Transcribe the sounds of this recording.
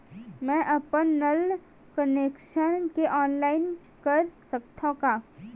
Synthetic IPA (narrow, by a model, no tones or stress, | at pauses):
mɛ̃ʔɐpənːəl | kəneːkʃənkeʔɔːnlaːɪn | kɐɾsɐk̚t̪ʰõkaː